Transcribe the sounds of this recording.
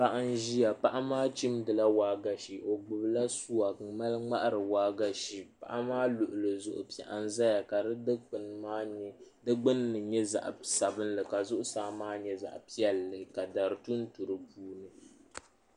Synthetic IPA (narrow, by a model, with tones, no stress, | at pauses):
pa˦ʔa˦n˦ʒi˦ja˨pa˦ʔa˦maː˦t͡ʃi˦mdɨ˨la˦waː˦ɡa˨ʃi˨ʔo˨ɡ͡bʊ˨bla˦su˦wa˨ma˦lɨ˦ŋ͡ma˦ʔa˦ɾɨ˨waː˨˦ɡa˦ʃi˨pa̰˨ʔa˦maː˦lʊ˨ʔʊ˨lɨ˨zʊ̰˨ʔʊ̰˨pɛ̰˨ʔa˦n˦za˦ja˨ka˨dɨ˦dɨ˦ɨ˦na˦dɨ˦ɡ͡bɨ˦nːɨ˨ɲɛ˦za̰˨ʔsa˨bɨ˦nlɨ˨ka˨zʊ˦ʔʊ˦saː˦maː˦ɲɛ˦za̰˨ʔpi˦ɛ˨lːɨ˨ka˨da˨ɾɨ˨tu˦n̩˦tu˨ɾɨ˨puː˦nɨ˨